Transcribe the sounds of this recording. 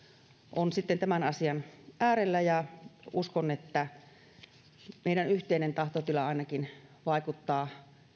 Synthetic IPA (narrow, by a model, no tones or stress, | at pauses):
ʔonsit̪ːent̪æmænɑsiɑnʔæːɾelːæjɑuskonet̪ːæ | meˑiɾænyht̪eˑinent̪ɑht̪ot̪ylɑɑˑinɑkinʋɑˑikut̪ːɑː